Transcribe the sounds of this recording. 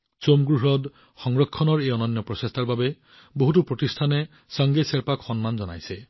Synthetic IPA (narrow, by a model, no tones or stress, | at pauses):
somɡɹuɦɔd | xɔŋɹɔkʰːɔnɔɹejɔnɔnjɔpɾɔsest̪ʰaɹbabe | boɦutupɹotist̪ʰane | saŋɡeseɾpakxɔnmand͡ʒɔna̰jse